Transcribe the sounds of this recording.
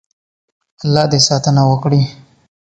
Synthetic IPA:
alːɑːd̪esɑt̪ənawəkɽi

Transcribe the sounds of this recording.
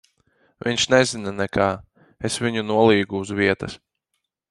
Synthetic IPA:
vʔḭɲʲʃnɛzinanɛkaː | esvʲiɲunuɔlˠiːɡuːzviɛt̪ɐs

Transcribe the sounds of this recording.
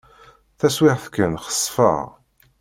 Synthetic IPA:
θæswɪʁθkːənχə̥sˤːfə̰ʁ

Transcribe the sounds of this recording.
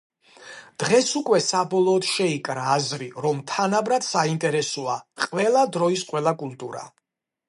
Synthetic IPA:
d̪̥ʁɛsukʼwɛsabɔlˠɔːd̪̥ʃɛikʼɾaːzɾiɾɔmt̪ʰanabɾad̪saint̪ʼɛɾɛsɔaqʼvɛlˠad̪ɾɔisqʼwɛlˠakʼulˠt̪ʼuɾa̰

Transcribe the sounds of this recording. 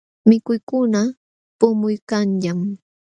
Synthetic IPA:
mɪkʊjkʊna | pʊmʊjkanʎam

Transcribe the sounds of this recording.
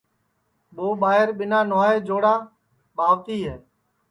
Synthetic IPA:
ɓoːɓaːɦɪɾɓɪnaːnaːeːd͡ʒoːɽaː | ɓaːʋt̪iːɦɛː

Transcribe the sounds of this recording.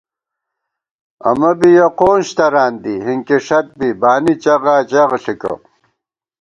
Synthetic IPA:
ɐ̰mɐbijɐqoːnɕt̪ɐɾaːnd̪iɦiŋkiʂɐt̪̚bibaːnit͡ɕɐʁaːt͡ɕaʁɬikɐ̰

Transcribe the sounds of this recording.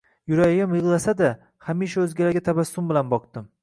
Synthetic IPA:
jʊɾajɪmjɨʁlˠasad̪a | hamiʃaɵzɡʲalaɡʲat̪ʰabasːʊmbɪlanbɒq̚t̪ɪm

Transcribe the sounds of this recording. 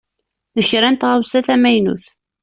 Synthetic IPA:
ðəçɾænt̪ʁawsæθæmæjnṵθ

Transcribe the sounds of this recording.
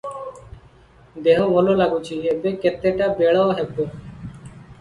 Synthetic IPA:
d̪eːɦõːʋoːloːlaːɡũːt͡ʃʰiːeːbeːket̪eːʈaːbeːɭaːoɦeboː

